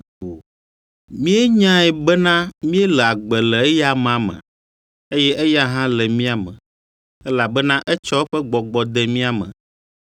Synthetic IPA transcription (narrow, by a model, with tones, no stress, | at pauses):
o˨ | mĩ˦e˦ɲã˦ɛ˨bɛ˦nã˦mĩ˦ɛ˦lɛ˨a˨ɡ͡bɛ˨lɛ˨e˦ja˦m˨a˨mɛ̰̃˨ | e˦jɛ˦ʔe˦ja˦ɦã˦lɛ˨mĩ˦a˨mɛ̰̃˨ | ɛ˦la˨bɛ˦nã˦ʔɛ˦t͡ʃɔ˦ɸɛ˦ɡ͡bɔ˨ɡ͡bɔ˨d̪ɛ˦mĩ˦a˨mɛ̰̃˨